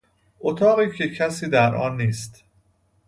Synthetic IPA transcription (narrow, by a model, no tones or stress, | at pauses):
ʔot̪ʰɒːɣiːcʰe̞cʰæsiːd̪æɾʔɒ̰ːnːiːst̪